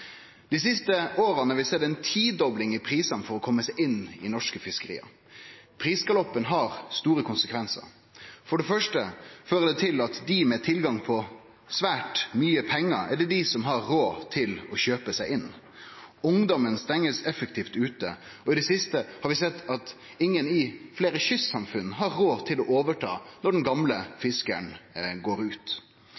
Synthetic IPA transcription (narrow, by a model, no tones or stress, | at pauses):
d̪̥ɪsɪst̪əoːɾənɔɾʋɪsɛd̪ɛɪnt̪ʰiːd̪ɔblɪŋɪpʰɾiːsɑnfɔɾɔkʰɔmːəsæɪʔɪnːɪ̰nɔʂkəfɪskəɾḭːɑ̰ | pʰɾiːsɡɑlɔpːənɦɑɾst̪uːɾəkʰʊnsəkʰʋɛnsə̰ɾ | fɔɖɛfœʂʈəføːɾəd̪ɛt̪ʰɪlɑt̪d̪ɪmɛt̪ʰɪlɡɑŋpʰɔ | sʋæːʈmyːəpʰɛŋːəɾɛɖ̪ɛd̪ɪsɔmɦɑɾːoːt̪ʰɪlɔçøːpəsæɪʔɪnː | ʊŋd̪ɔmənst̪ɛŋːəsɛfək̚t̪ʰiːft̪ʉːt̪ə̰ | ɔɪd̪ɛsɪst̪əhɑɾʋɪsɛt̪ːɑt̪ | ɪŋːənɪfleːɾəɕʏsːɑmfʉn̩ːɦɑɾːoːt̪ʰɪlɔʔoːʋəʈʰɑ̰ːnɔɖɛnɡɑmləfɪskə̰ɳɡoːɾʉːt̪